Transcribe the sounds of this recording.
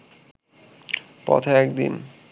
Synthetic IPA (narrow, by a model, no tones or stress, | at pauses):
pɔ̰t̪ʰaɛkd̪ḭn